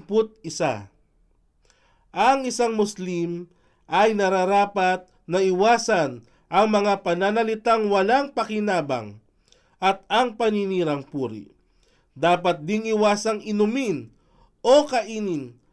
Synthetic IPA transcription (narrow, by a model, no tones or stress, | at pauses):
pʊt̪̚ɪsa̰ | ʔɐŋɪsaŋmʊslim | ʔɐjnɐɾaɾaːpɐt̪̚ | nɐɪwaːsɐn | ʔɐŋmɐŋapɐnanɐlɪt̪aŋwɐlaŋpɐkɪnaːbɐ̰ŋ | ʔɐt̪̚ɐŋpɐniniːɾɐŋpuːɾḭ | d̪aːpɐt̪̚d̪ɪŋɪwaːsɐŋɪnʊmɪn | ʔokɐʔiːnɪn